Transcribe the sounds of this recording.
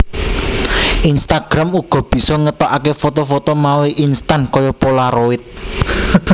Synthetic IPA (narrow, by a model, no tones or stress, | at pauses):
ʔinst̪aɡ̥ɾamuɡ̥ɔ̤b̥i̤sɔŋət̪ɔʔakefot̪ofot̪omaweʔinst̪ankɔjɔpolaɾoɪt̪̚